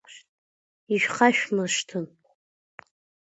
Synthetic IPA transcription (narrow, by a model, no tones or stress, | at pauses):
iʃᶣχʰaʃᶣmɨʂtʰɨn